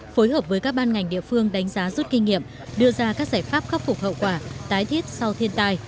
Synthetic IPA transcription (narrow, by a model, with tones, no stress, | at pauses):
fo˨˦jɦəː˨˩p̚vəː˨˦jkaː˦˥k̚ɓaː˧nŋa˨˩jŋ̟ɗḭ˧˨əfɨ˧əŋɗa˨˦jŋ̟zaː˨˦zu˦˥t̚kï˧ŋ̟ŋḭ˧˨əm | ɗɨ˧əzaː˧kaː˦˥k̚zaː˧˩jfaː˦˥p̚xa˦˥p̚fʊ˨˩k͡p̚hə̰˧˨wkwaː˧˩t̪aː˨˦jt̪ʰi˦˥t̚sa˧wt̪ʰi˧ənt̪aː˧j